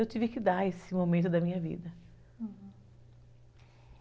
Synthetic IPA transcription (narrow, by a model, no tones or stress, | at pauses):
ewt̪ivɪkɪd̪aesɪmomẽnt̪̬ʊd̪ɐmĩɲɐvḭd̪ɐ